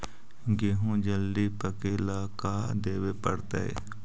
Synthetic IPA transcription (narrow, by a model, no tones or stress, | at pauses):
ɡeɦũd͡ʒəld̪ipəkeːlakaːd̪eːwepəɽt̪a̰ḛ